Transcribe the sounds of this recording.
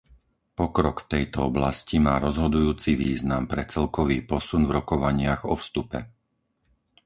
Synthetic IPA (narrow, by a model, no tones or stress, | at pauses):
pɔkɾɔkft̪ɛjt̪ɔɔblascimaːɾɔzɦɔd̪ujuːt͡siʋḭːznampɾɛt͡sɛlkɔʋiːpɔsunvɾɔkɔʋaɲɪaɣɔfst̪upɛ̰